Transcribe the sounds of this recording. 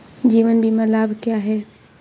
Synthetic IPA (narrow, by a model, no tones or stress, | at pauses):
d͡ʒiːʋənbʱimɐlaːbʱkjaːɦɛː